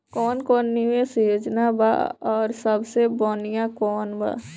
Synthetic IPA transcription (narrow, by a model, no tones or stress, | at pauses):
kɔːnkɔːnːiesejod͡ʒnaba̰ɔːɾsəbʱsebɔːnijãkɔːnba̰ː